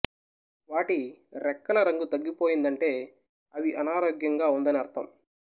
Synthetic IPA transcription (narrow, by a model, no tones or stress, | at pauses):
ʋaːʈiɾɛkːɐlɐɾɐŋɡut̪ɐɡːipo̞ːjind̪ɐɳʈe̞ː | ɐʋiʔɐnaːɾoːɡjɐŋɡaːund̪ɐniɐɾt̪ʰɐm